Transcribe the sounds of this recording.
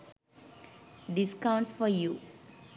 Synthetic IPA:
ɖiskãʊ̃ɳʈsfɔɾjuː

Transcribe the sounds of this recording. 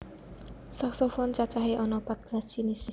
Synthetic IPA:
saksɔfɔnt͡ʃat͡ʃaɦeʔɔnɔpat̪̚b̥last͡ʃinisi

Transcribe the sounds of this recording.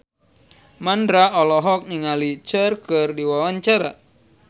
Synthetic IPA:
mandɾaɔlɔɦɔk̚niŋalit͡ʃərkɨrdiwawaɲt͡ʃaɾa

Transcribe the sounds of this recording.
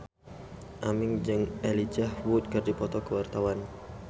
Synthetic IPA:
ʔamɪŋd͡ʒɨŋʔelid͡ʒahwut̪̚kərdipɔt̪ɔkəwart̪awan

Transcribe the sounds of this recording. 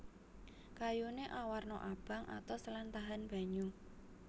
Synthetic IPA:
kajuneʔawarnɔ̰ʔab̥a̤ŋʔa̰t̪awsəlant̪aɦanb̥a̤ɲu

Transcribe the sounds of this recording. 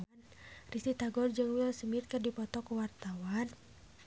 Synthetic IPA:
n | risit̪aɡɔrd͡ʒəŋwiɔlsəmit̪̚kɨrdipɔt̪ɔkuwart̪awan

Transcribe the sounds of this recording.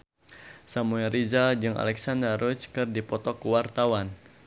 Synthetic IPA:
samuɛɾizad͡ʒɨŋa̰lɛksandaɾɔt͡ʃkɨrdipɔt̪ɔkuwart̪awan

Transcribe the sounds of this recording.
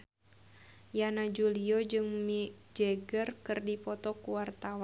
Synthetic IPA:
janad͡ʒuliɔd͡ʒɨŋmid͡ʒɛɡərkɨrdipɔt̪ɔkuwart̪awa

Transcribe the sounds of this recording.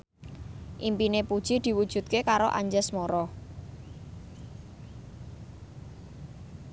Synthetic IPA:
ʔimpinepud̥ʒ̥id̪̥i̤wud̥ʒ̥ṳt̪̚kekaɾoʔa̰ɲd͡ʒɛsmoɾɔ

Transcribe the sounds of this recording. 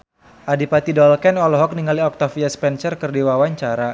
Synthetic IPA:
ʔadipat̪idɔlkɛnɔlɔɦɔk̚niŋaliɔk̚t̪afiaspɛnsərkərdiwawaɲt͡ʃaɾa

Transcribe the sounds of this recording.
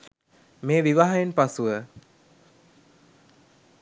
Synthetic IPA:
meːʋiʋaɦajenpasuʋə

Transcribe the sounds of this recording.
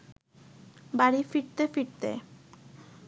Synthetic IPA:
baɽifiɾt̪efiʈt̪ḛ

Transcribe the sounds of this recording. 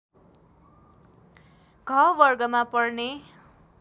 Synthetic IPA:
ɡʱʌbʌrɡʌmapʌrne

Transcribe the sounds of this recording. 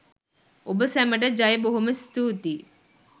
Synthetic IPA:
obəsæməʈəd͡ʒɐjeboɦuməst̪uːt̪i

